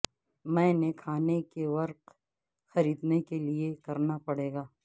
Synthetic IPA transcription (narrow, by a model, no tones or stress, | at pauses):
mɛ̃ːnekʰaːnekeʋɐɾq | xɐɾiːd̪nekeliekɐɾnapɐɽeːɡaː